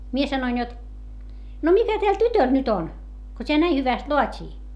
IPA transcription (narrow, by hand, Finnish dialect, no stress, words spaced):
mie sɑnoin jot no mitæ tæl tytøl nyt on ko tʲeæ næi hyʋæst loɑtʲiː